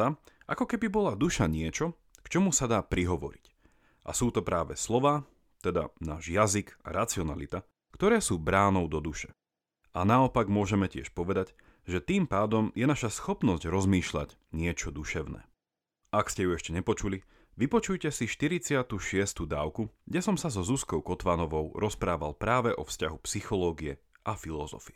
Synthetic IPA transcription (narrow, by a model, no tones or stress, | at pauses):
aʔakɔkɛbibɔlad̪uʃaɲɪɛt͡ʃɔ | kt͡ʃɔmusad̪aːpɾiɦɔʋɔ̰ɾic | ʔa̰suːt̪ɔpɾaːʋɛslɔʋaː | t̪ɛd̪a̰naːʒjaziɡa̰ɾat͡siɔna̰lit̪a | kt̪ɔɾɛːsuːbɾaːnɔʊd̪ɔd̪uʃɛ̥ | anaɔpaɡmʊɔʒɛmɛcɪɛ̰ʃpɔʋɛd̪aɟ | ʒɛt̪iːmpaːd̪ɔmjɛnaʃasxɔpnɔzɟɾɔzmiːʃla̰ɟ | ɲɪɛt͡ʃɔd̪uʃɛʊnɛ̰ː | ʔakscɛjuɛʃcɛɲɛpɔt͡ʃuli | ʋipɔt͡ʃujcɛsiʃt̪iɾit͡sɪat̪uːʃɪɛst̪uːd̪aːʊkuɡɟɛsɔmsazɔzuskɔʊkɔt̪ʋanɔʋɔʊɾɔspɾaːʋa̰lˠpɾaːʋɛʔɔfscaɦupsixɔlɔːɡiɛ | ʔafilɔzɔ̰fiɛ